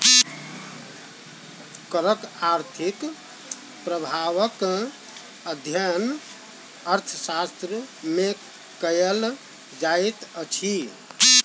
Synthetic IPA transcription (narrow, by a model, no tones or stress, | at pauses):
kəɾəkaɾt̪ʰik | pɾəbʱaʋək | əd̪ʱjən | əɾt̪ʰəsast̪ɾəme | kəjəl | d͡ʒajt̪ət͡ʃʰi